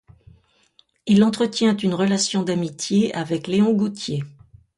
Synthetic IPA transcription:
ilɑ̃t̪χət̪jɛ̃t̪ynʁəlasjɔ̃d̪amit̪jeavɛkleɔ̃ɡut̪je

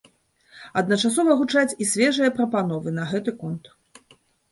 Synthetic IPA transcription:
ɐd̪nɐt͡ʂasɔvɐɣut͡ʂat͡sʲisʲvʲɛʐɨjɐpɾɐpan̪ɔvɨnɐɣɛt̪ɨkɔnt̪

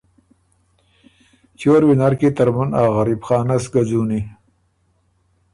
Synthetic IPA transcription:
t͡ʃoɾwinaɾket̪aɾmanɑːɣaɾibxɑːnasɡad͡zuːni

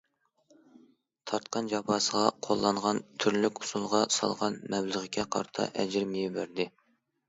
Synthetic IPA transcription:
t̪ʰɑɾt̪̚qʰɑnd͡ʒɑpɑːsəʁɑqʰolˠːɑɴʁɑnt̪ʰyɾlykʲu̥sulˠʁɑsɑ̰lˠʁɑnmɛblˠəʁəkʲʰɛqʰɑ̰ɾt̪ʰɑ̰ʔɛd͡ʒɪɾmjibæɾd̪ɪ

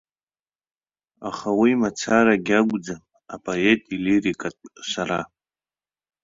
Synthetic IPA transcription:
a̰χawimat͡sʰaɾaɡʲaɡʷʼd͡za | apʼoetʼiliɾikʼatʼsaɾa̰

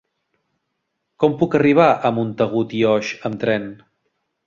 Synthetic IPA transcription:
kɔmpukəriβ̞aʔəmunt̪əɣ̞ut̪iɔʃəmt̪ɾɛn

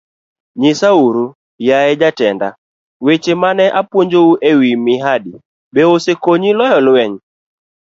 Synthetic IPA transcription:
ɲɪsauɾu | jaɛd͡ʒatɛnda̰ | wet͡ʃemanɛʔapwoɲd͡ʒouʔewimɪɦadi | beosekoɲilɔjɔlwɛɲ

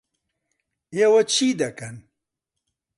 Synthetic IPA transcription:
ewɐt͡ɕʰiːd̪ɐkɐn

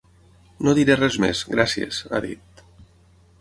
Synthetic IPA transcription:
noðiɾerɛzmḛzɣɾasiḛz̥a̰ðḭt̪̚

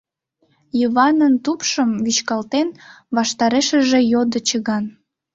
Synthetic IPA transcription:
jiβɑnənt̪upʃəmβyt͡ɕkɑlt̪en | βɑʃt̪ɑɾeʃəʒejod̪ət͡ɕəɣɑn

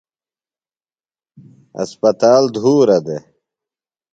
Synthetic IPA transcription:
ɐ̰spɐt̪aːld̪ʱuːɾɐd̪e

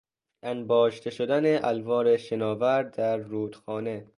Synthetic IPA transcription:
ʔænbɒːʃt̪ʰeʃod̪æneʔælvɒːɾeʃenɒːvæɾd̪æɾːuːd̪xɒːne

